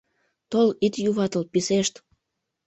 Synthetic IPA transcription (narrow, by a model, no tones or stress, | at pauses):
t̪olit̪juβɑt̪əlpiseʃt̪